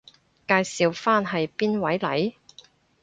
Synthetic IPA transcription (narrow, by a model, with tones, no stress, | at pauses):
kaː˧jsiː˨wfaː˥nɦɐ˨jpiː˥nwɐ˨˥jlɐ̰˨˥j